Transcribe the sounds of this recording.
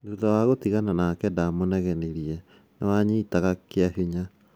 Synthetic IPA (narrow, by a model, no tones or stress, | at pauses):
nduðawaɣotiɣananakɛdamonɛɣɛneɾiɛ | nawaɲiːtaɣakeaɦiɲa